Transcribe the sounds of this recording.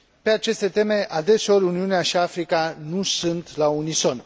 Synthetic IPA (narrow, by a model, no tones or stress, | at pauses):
pe̞at͡ʃe̞st̪e̞t̪e̞me̞ad̪e̞seo̞ɾʲuniuneaʃiafɾikanusɨnt̪launiso̞n